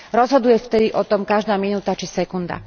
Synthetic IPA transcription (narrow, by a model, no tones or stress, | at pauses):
ɾɔzɦɔd̪ujɛft̪ɛd̪iʔɔt̪ɔmkaʒd̪aːminuːt̪at͡ʃisɛkund̪a̰